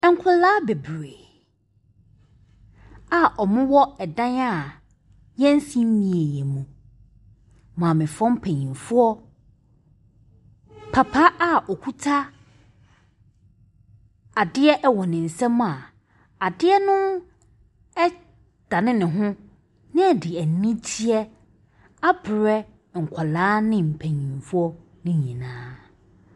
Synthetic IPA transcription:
ɛ˨ŋ̩˦kʰʊ˨˦laː˦be˨bɾe˨ | a˨ʔɔ˨mʊ̃˦wɔ˦ɛ˨dã˦na˦˨ | jɛ˦n̩˦sĩ˦m˦mĩ˨e˨jɛ˨mũ˨ | mã˨mɪ̃˨fɔ̃˦m˦pʰẽ˨ɲĩ˨n˨fʊ˦ɔ˦ | pʰa˨pʰa˦ʔa˦ʔɔ˨kʰu˦tʰa˦ | a˨dɪ˦ɛ˦ʔɛ˦wɔ˨nɪ̃˨n̩˨sɛ̃˦mã˨ | a˨dɪ˦ɛ˦nʊ̃˦ | ɛ˦ | d̥a˨nɪ̃˦nɪ̃˨ɦʊ̃˦ | nɪ̃˦ɛ˨dɪ˨ɛ˨n˨˦nĩ˦t͡ɕʰi˦ɛ˦ | a˦bʊ˨ɾɛ˦ | ŋ̩˨kʷʰa˨laː˦nɪ̃˦m̩˨pʰɛ̃˨ɲĩ˨nfʊ˦ɔ˦ | nʊ̃˦ɲĩ˨nãː˨˦

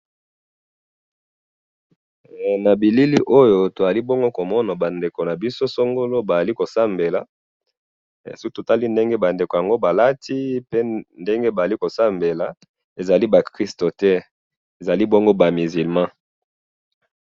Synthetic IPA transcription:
na˨bi˨li˦li˦ʔo˦jo˨to˨za˨li˦bɔ˦ŋɡo˦ko˨mɔ˦na˨ba˨nde˨ko˨na˨bi˦so˦so˦ŋɡo˦lo˦ba˨za˨li˦ko˨sa˦mbe˨la˨ | su˦ku̥˦to˨ta˦li˦nde˦ŋɡe˦ba˨nde˨ko˨ja˨ŋɡo˦ba˨la˦ti˦pe˦nde˦ŋɡe˦ba˨za˨i˦ko˨sa˦mbe˨la˨ | e˨za˨li˦ba˨kʁi˦sto˨tɛ˦ | e˨za˨li˦bo˦ŋɡo˦ba˨mi˨zi˨lmã˦

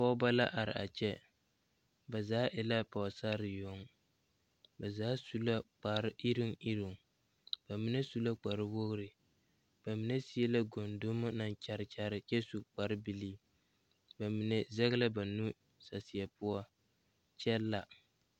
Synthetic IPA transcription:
pɔ˦ba˦la˦ʔa˨ɾɪ̰˨ʔa̰˨t͡ʃɛ˦ | ba˨zaː˨˦ʔɪ˨la˦pɔ˨sa˦ɾɪ˨jo˦ŋ | ba˨zaː˦su˦la˦k͡pa˨ɾʔi˦ɾɪ˦ŋʔi˦ɾɪ˨ŋ | b̥a˨mi˦nɛ˦su˦la˦k͡pa˨ɾɪ˦wo˦ɣɾɪ˨ | b̥a˨mi˨nɛ˦si˦ɛ˦la˦ɡo˨ndʊ˦ma˦na˨nt͡ʃa˦ɾɪ˦t͡ʃa˦ɾɪ˨t͡ʃɛ˦su˨k͡pa˨ɾɪ˦bi˦liː˦ | ba˨mi˨nɛ˨zɛ˦ɣla˦ba˨nu˦ | sa˨sɪ˨jɛ˨pʊ˦ɔ˦ | t͡ʃɛ˦lːa˨

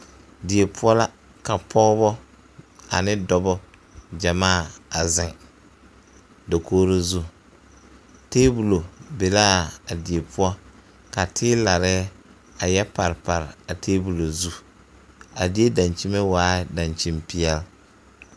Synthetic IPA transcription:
dɪ˨e˨pʰʊ˦ɔ˦la˦ | ka˨pʰɔ˦ɣbɔ˦ | a̰˨nɪ˦dɔ˦bɔ˦ | d͡ʒa˨maː˦˨a˨zɪ˨ŋ | do˨koː˦ɾo˦zu˦ | teː˦bu˨lo˨be˨la˦a˨dɪ˨e˨pʰʊ˦ɔ˦ | ka˨tʰɪː˦la˨ɾɛ˦ | a˨jɛ˦pa˨ɾɪ˨pa˨ɾɪ˨a˨tʰeː˦bu˨lo˨zu˦ | a˨dɪ˦e˦da˨nt͡ʃi˦me˦waː˨˦da˨nt͡ʃi˦mpɪ˦ɛ˦l

